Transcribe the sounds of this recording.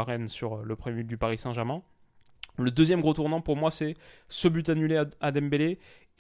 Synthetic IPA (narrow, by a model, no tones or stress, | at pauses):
ʁɛnsyʁləpχəmemyd̪ypaʁisɛ̃ʒɛʁmɛ̃ | ləd̪əzjɛmɡʁot̪uʁnɑ̃puʁmwasɛsəbyt̪anylead̪ambele